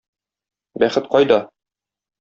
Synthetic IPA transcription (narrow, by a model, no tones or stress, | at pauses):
bæχɘt̪qɒjd̪ɒ